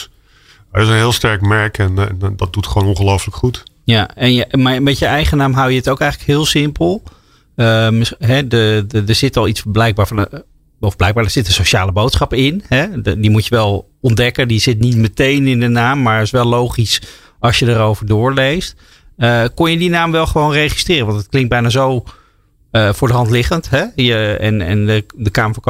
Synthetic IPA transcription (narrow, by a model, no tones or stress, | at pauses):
ɛɪsənɦɪːlˠstɛɹkmɛɹkɛnɛndɑt̚dutχʋownɔ̃nχəlowfləkχut | jaɛnjmamɛtjəɛjχənaːmɦawjəətowkɛjχələkɦɪːlˠsɪmpəlˠ | əəɦɛdədəɹz̥ɪtɑlˠitsəblɛjk̚baːɹvn | ɔfblɛjk̚baːdəɹz̥ɪtənsoʃaːləbowtsχɑpɪnɦɛdimutjəʋɛlˠ | ɔndɛkəndizɪtnitmətejnɪndənaːmːaːɹɪsʋɛlˠowχis | ɑsjədəɾowvəɹdʊːɹlejst | əkɔnjədinaːmʋɛlˠχəʋownrejχi̥strɪːrənʋɑntət̚klɪŋt̚bɛjnaːzow | əvʊːɹdəɦɑntlɪχəntɦɛjəɛ̰nɛ̰nədəkaːməfk